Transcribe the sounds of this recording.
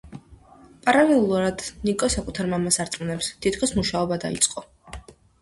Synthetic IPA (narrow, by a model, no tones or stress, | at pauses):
pʼaɾalɛlˠuɾad̪nikʼɔsakʼut̪ʰaɾmamasaɾt̪sʼmunɛpst̪ʰit̪ʰkʰɔsmuʃaɔbad̪a̰ḭt̪sʼqʼɔ